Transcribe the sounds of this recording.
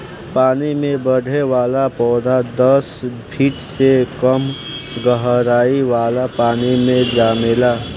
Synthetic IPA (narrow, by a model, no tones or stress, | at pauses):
paːnimẽbəɽʱeʋaːlapɔːd̪ʱad̪əspʰiːʈsekəm | ɡəɦɾaːiʋaːlapaːnimẽd͡ʒaːmeːlaː